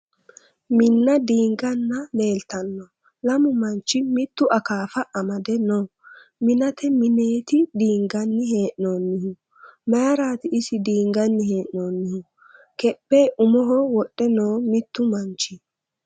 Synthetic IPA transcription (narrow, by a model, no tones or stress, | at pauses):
mɪnːɐd̪iːŋɡɐnːɐle̞ːlt̪ɐnːɔ | lɐmʊmɐnt͡ʃːɪmɪt̪ːʊʔɐkaːfɐʔɐmɐd̪ɛno | mɪnɐt̪ɛmɪne̞ːt̪ɪd̪iːŋɡɐnːɪɦe̞ːʔno̞ːnːɪhʊ | mɐjɐɾaːt̪ɪɪsɪd̪iːŋɡɐnːɪhe̞ːʔnoːnːɪhʊ | kɛpːeʔʊmɔɦɔwɔɗːɛnoːmɪt̪ːʊmɐnt͡ʃːɪ